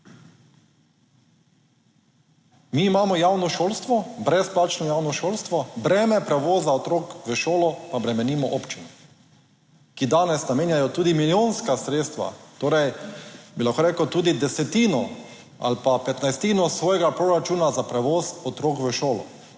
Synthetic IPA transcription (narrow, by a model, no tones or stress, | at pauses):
miːmaːmɔjawnɔʃoːlst̪ʋɔbɾɛsplaːt͡ʃnɔjawnɔʃoːlst̪ʋɔbɾɛːmɛpɾɛʋoːzaɔt̪ɾoːkʋəʃoːlɔpabɾɛmɛniːmɔʔoːpt͡ʃinɛ | kid̪aːnɛsnameːnjajɔt̪uːd̪imiljoːnskasɾeːt̪st̪ʋa̰t̪oːɾɛjbilaxkoɾeːkəwt̪uːd̪id̪ɛsɛt̪iːnɔ | a̰lpapɛt̪najst̪iːnɔsʋɔːjɛɡapɾoɾat͡ʃuːnazapɾɛʋoːzɔt̪ɾoːkʋəʃoːlɔ̰